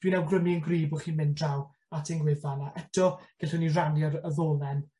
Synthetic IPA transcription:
d̥winawɡrəmiənɡriːbɔχiːnmɪndraw | atʰɪŋɡwɪðanaʔɛtʰɔɡ̥ɪlɬəniranjɔəðoːlˠɛn

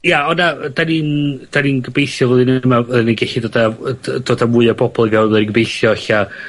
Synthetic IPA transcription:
jaɔnad̥anind̥aninɡəbejθjɔvɛðˠɨnəmaðniɡɛɬidoːdad̥oːdamʊɨabʰɔbɔlˠivɛwˠɛɾiɡəbejθjɔɬa

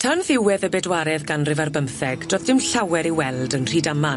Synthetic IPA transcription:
tʰanðɪwɛðəbɛdwaɾɛðɡanrɪvarbəmθɛɡ̥d̥rɔðdɪmɬawɛɾiwɛlˠdənr̥iːdama

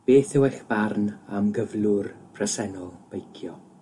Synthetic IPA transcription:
b̥eːθɪwɛɬb̥arnamɡəvlˠʊrpʰrəsɛnɔlˠb̥ejkʰjɔ

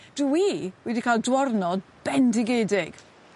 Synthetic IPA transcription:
d̥wiwɛdikʰaːlˠdwɔrnɔdb̥ɛndɪɡedɪɡ̥

